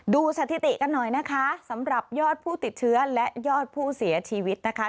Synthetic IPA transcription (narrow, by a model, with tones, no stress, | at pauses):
duː˧sa˧˩t̪ʰi˨˧t̪i˨˩ka˧nːɔ˨˩jna˦˥kʰa˦˥sa˩˦mɾa˨˩p̚jɔː˥˩t̪̚pʰuː˥˩t̪i˨˩t̪̚t͡ɕʰɯ˦˥ɐlɛ˦˥ʔjɔː˥˩t̪̚pʰuː˥˩si˩˦ɐt͡ɕʰiː˧wi˦˥t̪̚na˦˥kʰa˦˥